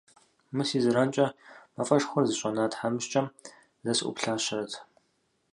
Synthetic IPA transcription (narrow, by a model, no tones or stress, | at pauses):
mɨsiːzɨɾant͡ʃʼɐmɐfʼɐʂxʷɔrzɨɕʷʼɐnaːtħamɨɕt͡ʃʼɐm | zɐsʔʷʊ̰pɬaːɕɪrɐtʰ